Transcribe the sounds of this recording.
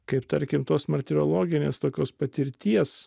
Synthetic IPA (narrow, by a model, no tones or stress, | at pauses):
kɐɪpt̪ɐɾʲkʲɪmt̪oːsmɐt̪ʲɪɾʲoːlˠoːɡʲɪnʲeːst̪oːkʲoːspɐt̪ʲɪɾʲt̪ʲiɛs